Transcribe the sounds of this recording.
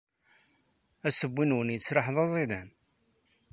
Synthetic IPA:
æsəbːinwənjət͡sːɾɑħðˤɑzˤiðæn

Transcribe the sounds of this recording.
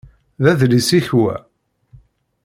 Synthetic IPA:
ðæðlisiçwæ̰

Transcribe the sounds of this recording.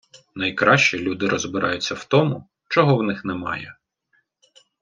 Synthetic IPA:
nɐjkɾɑʃt͡ʃilʲud̪ɪɾɔzbɪɾʔɑjʊt͡sʲːɐwt̪ɔmʊ | t͡ʃɔɦɔwnɪxnɛmɑ̰jɛ̰

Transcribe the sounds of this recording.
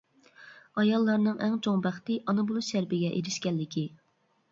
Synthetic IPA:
ɑjɑlˠːɑɾnɨŋʔɛŋt͡ʃʰoŋbæχt̪ɨʔɑnɨbulˠuʃæɾbɪɡʲɛʔeɾɪʃkʲɛlːɪkʲi

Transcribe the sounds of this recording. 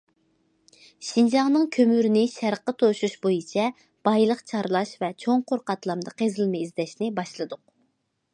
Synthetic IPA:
ʃind͡ʒɑŋnɨŋkʲʰømyɾnɪʃæɾqːət̪ʰoʃuʃbojit͡ʃʰɛ | b̥ɑjlˠəqt͡ʃʰɑɾlˠɑʃvɛt͡ʃʰoŋqʰoɾqɑt̪lˠɑmd̪əqʰezlɪmɪizd̪ɛʃnɪbɑʃlˠɨd̪ʊq̚

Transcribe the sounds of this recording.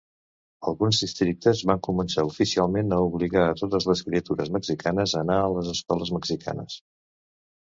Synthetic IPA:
əlˠɣunzðist̪ɾik̚t̪əzβaŋkumənsaufisialˠmenəuβliɣaət̪ot̪əzləskɾiət̪uɾəzməksikanəzənaələzəskɔləzməksikʰa̰nəs

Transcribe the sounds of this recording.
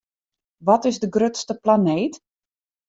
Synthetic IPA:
ʋɔtɪzdəɡrøtstəplaneːt

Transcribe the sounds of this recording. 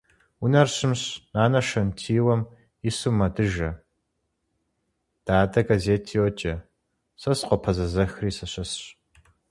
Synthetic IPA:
unɐrɕɪmɕnaːnɐʃɐntʰiːwɐm | isumɐdɨʒɐ | d̥aːdɐɡazeːtʰiwɔt͡ʃʼɐ | sɐsqʷɔpʰɐzɐzɐxriːsɐɕɐsɕ

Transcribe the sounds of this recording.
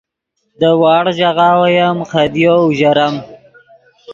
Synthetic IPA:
d̪əwɑːɽʒaɣɑːwajamxad̪jowʒaɾam

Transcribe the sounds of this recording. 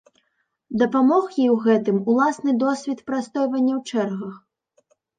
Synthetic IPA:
d̪ɐpamɔxjiwɣɛt̪ɨmulˠasnɨd̪ɔsʲvʲit̪pɾast̪ɔjvɐnʲːɐwt͡ʂɛrɣɐx

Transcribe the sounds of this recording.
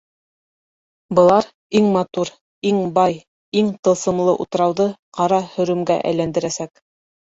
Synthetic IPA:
bɤ̆lˠɑɾ | iŋmɑt̪uɾ | iŋbɑj | iŋt̪ɤ̆lˠsɤ̆mlˠɤʔṵt̪ɤ̆ɾɑwðɤqɑɾɑhɵ̆ɾɵ̆mɡæ̰ʔæ̰jlænd̪ɘ̆ɾæsæk

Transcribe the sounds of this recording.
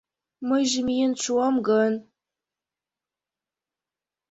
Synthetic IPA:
mɨʒmjɪnt͡ʃʷʰuwamɡən

